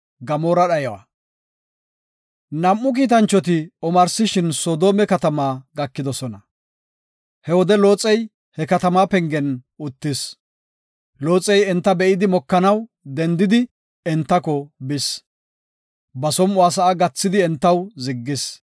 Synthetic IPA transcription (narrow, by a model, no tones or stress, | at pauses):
ɡɐmoːɾɐɗɐjɐwɐ̰ | nɐmːʊk̬iːt̪ɐnt͡ʃːɔt̪̬ɪɔmɐɾsɪʃɪnsoːd̪o̞ːmɛkɐt̪ɐmaːɡɐkːɪd̪ɔsɔnɐ | hɛwɔd̪ɛlo̞ːt͡sʼːɛj | hɛkɐt̪ɐmaːpɛŋɡɛnʊt̪ːɪs | lo̞ːt͡sʼːɛjɛnt̪ːɐbɛʔɪd̪ɪmɔkːɐnɐw | d̪ɛnd̪ɪd̪ɪ | ɛnt̪ːɐkɔbɪs | bɐsɔmʊaːs̬ɐaɡɐt͡sːɪd̪ɪɛnt̪ːɐwzɪɡːɪs